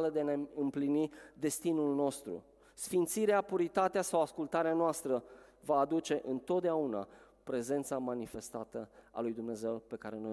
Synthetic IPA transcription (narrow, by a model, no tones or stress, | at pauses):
ləd̪eneɨmplinid̪e̞st̪inulno̞st̪ɾṵ | sfint̪siɾeapuɾit̪at̪easawaskult̪aɾeanoast̪ɾəvaːd̪ut͡ʃe̞ʔɨnt̪o̞t̪̚d̪eauna̰ | pɾe̞ze̞nt̪samanife̞st̪at̪əa̰lujd̪umne̞ze̞wpe̞kaɾe̞no̞j